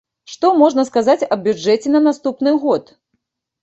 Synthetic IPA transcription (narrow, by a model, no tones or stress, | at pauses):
ʂt̪ɔmɔʐnɐskazat͡sʲɐbʲud͡ʐɛt͡sʲɛnɐnast̪upnɨɣɔt̪